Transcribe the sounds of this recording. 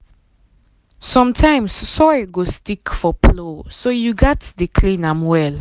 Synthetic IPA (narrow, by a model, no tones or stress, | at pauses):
sɔ̃mtʰãɪ̃mssɔjɡostikfɔpʰlosojuɡatdəkʰlĩnãmwɛl